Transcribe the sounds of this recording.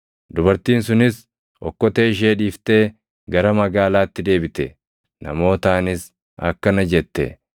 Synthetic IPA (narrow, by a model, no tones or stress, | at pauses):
d̪ʊbɐɾt̪iːns̬ʊnɪs | ɔ̰kːɔt̪e̞ːʃ̬eːᶑiːft̪e̞ː | ɡɐɾɐmɐɡaːlaːt̪ːɪd̪e̞ːbɪt̪ɛ | nɐ̰mo̞ːt̪aːnɪs | ɐ̰kːɐnɐd͡ʒɛt̪ːɛ̰